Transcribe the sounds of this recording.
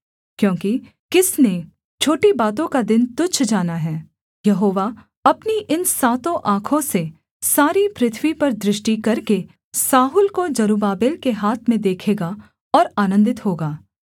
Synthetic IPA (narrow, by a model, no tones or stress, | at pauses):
kjõːki | kɪsne | t͡ʃʰoːʈibaːt̪̬õkad̪ɪnt̪ʊt͡ʃʰd͡ʒaːnaɦɛː | jɐɦoːʋa | ɐpniʔɪnsaːt̪õʔãːkʰõse | saːɾipɾɪt̪ʰʋipɐɾd̪ɾɪʃʈikɐɾke | saːɦʊːlkod͡ʒɐɾuːbaːbeːlkeɦaːt̪ʰmẽd̪eːkʰeːɡa | ɔːɾaːnə̃nd̪ɪt̪ɦoːɡaː